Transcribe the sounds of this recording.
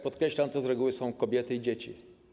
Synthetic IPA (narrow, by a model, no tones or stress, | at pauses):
pɔt̪kɾɛɕlamt̪ɔzɾɛɡuwɘsɔ̃w̃kɔbʲjɛt̪ɘid͡ʑet͡ɕḭ